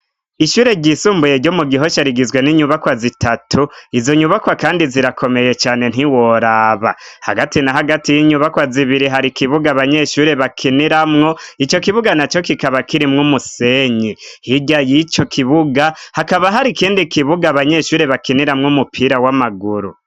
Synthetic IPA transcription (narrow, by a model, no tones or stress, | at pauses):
iʃuːɾe̞ɾɟisuːmbuje̞ɾɟomuɡiɦo̞ʃaɾiɡizweniɲuβakwazitʰatʰuizo̞ɲuβakwakaːndiziɾakʰo̞me̞je̞t͡ʃaːne̞n̥ɦiwoɾaːβa̰ha̰ɡatinaɦaɡatijiɲuβakwaziβiɾiɦaɾikiβuɡaβaɲe̞ːʃuːɾe̞βakʰiniɾamŋo̞it͡ʃo̞kiβuɡanat͡ʃo̞kikaβakiɾimŋumuse̞ɲihiɟajit͡ʃo̞kʰiβuɡahakaβaɦaɾikiːndikiβuɡaβaɲe̞ʃuːɾe̞βakiniɾamŋumupʰiɾawamaɡuɾṵ